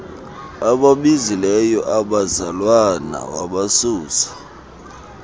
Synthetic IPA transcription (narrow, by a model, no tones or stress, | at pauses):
aɓaɓizilɛjɔʔaɓazalwana̰wa̰ɓasuːsḁ